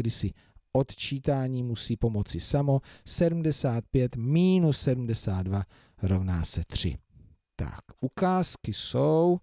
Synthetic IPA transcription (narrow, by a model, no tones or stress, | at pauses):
dɪsɪ | ʔo̞t̪t͡ʃiːt̪aːɲiːmusiːpo̞mo̞t͡sɪsamo̞sɛdm̩dɛsaːt̪̚pjɛt̪miːnusːɛdum̩dɛsaːd̪̚dva | ɾo̞vna̰ːsɛt̪r̝̥ɪ̰ | t̪a̰kʔukaːskɪsow